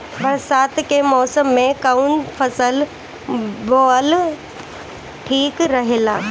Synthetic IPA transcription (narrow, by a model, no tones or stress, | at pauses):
bɐɾsaːt̪kemɔːsəmːẽkaunfʰɐsəl | boːəl | ʈʰiːkɾɐɦelaː